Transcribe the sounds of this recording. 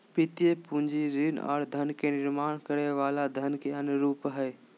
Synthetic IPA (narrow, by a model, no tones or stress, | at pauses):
pɪt̪iepũɲd͡ʒiɾina̰ːɽd̪ʱɐnkeːnɪɾmaːɳ̃kɐɾeʋaːlad̪ʱɐnkeɐnɾuːpɦɐe